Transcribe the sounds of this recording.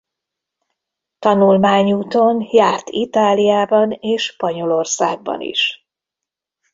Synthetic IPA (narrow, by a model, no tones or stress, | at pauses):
t̪ɒnulmaːɲuːt̪o̞njaːrt̪it̪aːlijaːbɒneːʃpɒɲo̞lo̞rsa̰ːɡ̚bɒ̰nḭʃ